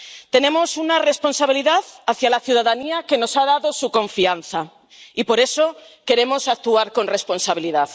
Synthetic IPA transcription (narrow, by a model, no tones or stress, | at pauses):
t̪e̞nẽ̞mo̞sunare̞spo̞nsaβ̞iliðaðaθjalaθjuð̞aðaniake̞no̞saðaðosukõ̞ɱfianθa | ipo̞ɾe̞so̞ | ke̞ɾe̞mo̞sak̚t̪uaɾkõ̞nre̞spo̞nsaβ̞iliðað